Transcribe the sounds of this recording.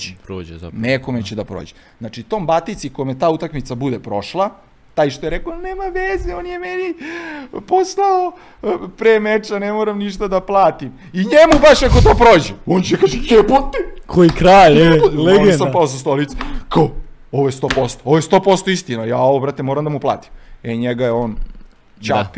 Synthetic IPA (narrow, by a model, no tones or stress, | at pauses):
epɾoːd͡ʒeneko̞met͡ɕed̪apɾo̰ːd͡ʑe | znat͡ʃit̪oːmbat̪it̪sikojmet̪aːut̪akmit̪sabud̪epɾo̞ʃlˠa | t̪aːjʃt̪ojeɾekooneːmaʋezeonjemeni | poslao | pɾemet͡ʃanemoɾamniʃt̪ad̪aplˠaːt̪im | iɲemubaʃako̞t̪oːpɾoːd͡ʑeont͡ɕekaːʒeeput̪ekʰoikɾajpuleɡeapaosast̪olit̪sekao | oʋojest̪o̞po̞st̪ooʋojst̪opo̞st̪o̞ist̪inojaːoʋobɾat̪emoɾamd̪amuplˠa̰ːt̪i̥meɲeɡajeoːn | t͡ɕapi